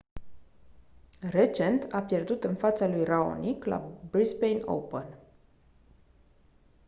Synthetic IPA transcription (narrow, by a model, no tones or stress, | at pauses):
re̞t͡ʃe̞nt̪ʰapje̞rd̪ut̪ɨnfat̪salujrao̰nikla̰bɾisbejno̰wpən